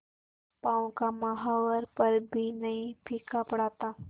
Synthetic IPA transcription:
paːũkamɐɦaːwəɾpɐɾbʱinɐɦĩpʰiːkapɐɽaːt̪aː

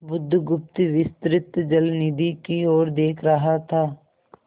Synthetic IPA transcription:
bʊd̪ʱːɡʊp̚t̪iʋɪst̪ɾɪt̪d͡ʒəlnɪd̪ikioːɾd̪eːkʰɾɐɦat̪ʰaː

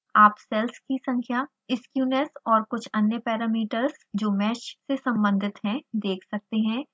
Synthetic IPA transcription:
aːpsɛlskisɐ̃ŋkʰja | ɪskjuːnesɔːɾkʊt͡ʃʰɐnjəpɛːɾaːmiːʈəɾzd͡ʒoːmɛːt͡ʃsesɐ̃mbə̃nd̪ʱɪt̪ɦɛ̃d̪eːkʰsɐk̚t̪eɦɛ̃ː

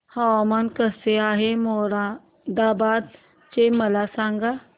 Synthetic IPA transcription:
haamankəseaːɦemoːɾa | d̪aːbaːd̪̚ | t͡ʃemɐlasãːŋɡa

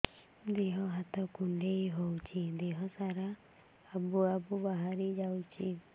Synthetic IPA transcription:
d̪eɦɔɦat̪ɔkuɳɖejɦowt͡ʃʰid̪eɦɔsaɾaː | buabubaɦaɾid͡ʒawt͡ʃʰi

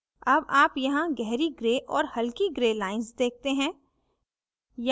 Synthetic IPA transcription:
ɐbaːpjɐɦãɡɛɦɾiɡɾeːʔɔːɾhɐlkiɡɾeːlaːɪnzd̪eːk̚ʰt̪eɦɛ̃ː | j

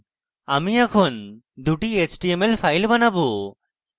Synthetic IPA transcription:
amiakʰɔn | d̪uʈiet͡ʃʈiemelpʰajlbanabu

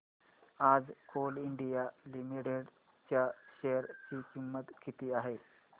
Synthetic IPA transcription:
ad͡zkʰoliɳɖijalimiʈeɽ | t͡ɕjaɕeəɾt͡ɕiːkimːət̪kʰit̪iːaɦe

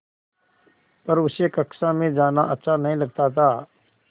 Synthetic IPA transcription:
pɐɾʊsekɐksãmẽd͡ʒaːnaʔɐtːʃʰanɐɦĩlɐɡ̚t̪at̪ʰaː

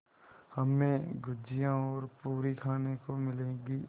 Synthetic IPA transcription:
hɐmːẽɡʊd͡ʒijãɔːɾpuːɾikʰaːnekomɪlẽːɡi

